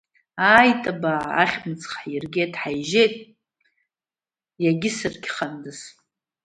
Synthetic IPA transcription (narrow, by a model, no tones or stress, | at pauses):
aːjtʼabaʕa̰χʲmɨt͡sʰʼχħjirɡʲejtʼħajʒejtʼ | jaɡʲɪsɨrkʲχandɨz